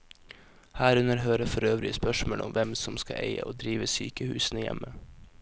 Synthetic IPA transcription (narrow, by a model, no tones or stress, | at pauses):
hæːɾʉnəɾɦøːɾəfɔɾøːʋɾɪəspœʃmoːlʔʊmʋɛmsɔmskɑʔeɪə̰ʔoːd̪ɾiːʋəsy̰ːkəhʉːsn̩əjɛ̰mə